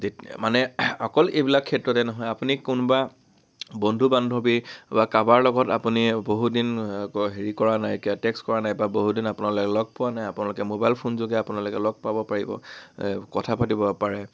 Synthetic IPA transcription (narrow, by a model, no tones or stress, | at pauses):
emanɛɔkɔlejbilakʰːɛtɹɔtɛnɔɦɔjapunikʊnba | bondʱubandʱɔbibakabaɹlɔɡɔtapuniboɦudinkɔɦeɹikɔɹanajkiatɛkskɔɹanajbaboɦudinapunalʊkɛlɔɡ̚pʊwanajapʊnalʊkɛmobajlpʰunzoɡɛapunalʊkɛlɔɡ̚pabɔpaɹibɔ̰kɔtʰapatibɔpaɹɛ